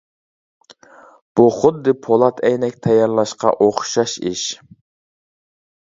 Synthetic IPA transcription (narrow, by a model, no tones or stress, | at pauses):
b̥uχʊd̪ːɨpʰolˠɑt̪ʰɛjnɛkʲt̪ʰɛjɑɾlˠɑʃqɑ̰ʔoχʃɑʃḭʃ